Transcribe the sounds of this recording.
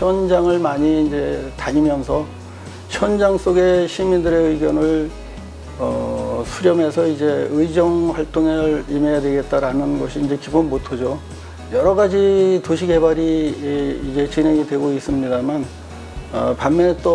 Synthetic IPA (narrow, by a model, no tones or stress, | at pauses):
ɕʰjʌnd͡ʑaŋɯɭmaɲiːnd͡ʑe̞taɲimjʌnsʰʌ | ɕʰjʌnd͡ʑaŋs͈oɡe̞ɕʰimindɯɾe̞ɯiɡjʌnɯɭ | ʌsʰuɾjʌme̞sʰʌid͡ʑe̞ɯid͡ʑʌŋɸwaɭt͈oŋeɾime̞jadwe̞ɡe̞t̚t͈aɾanɯnɡʌɕʰiːnd͡ʑe̞kibonmotʰʌd͡ʑo | jʌɾʌɡad͡ʑitoɕʰiɡe̞baɾiː | d͡ʑe̞t͡ɕinɦe̞ŋidwe̞ɡois͈ɯmɲidaman | ʌpanmjʌnt͈o